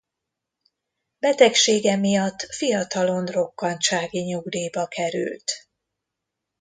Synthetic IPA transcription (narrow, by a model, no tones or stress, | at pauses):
b̥ɛt̪ɛkʃeːɡɛmijɒt̪ːfijɒt̪ɒlo̞nro̞kːɒnt͡ʃaːɡiɲuɡd̪iːbɒkʰɛɾy̰lt̪